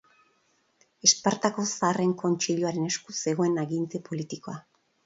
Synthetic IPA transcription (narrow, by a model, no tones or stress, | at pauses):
e̞spaɾt̪ako̞saːre̞ŋko̞nt͡ʃiʎuaɾe̞ne̞skuse̞ɣ̞o̞e̞naɣint̪epo̞lit̪iko̞a